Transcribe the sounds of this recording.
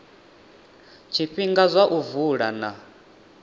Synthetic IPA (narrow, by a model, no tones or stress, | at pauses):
t͡ʃʰiɸiŋɡazʷaʔuvuɺana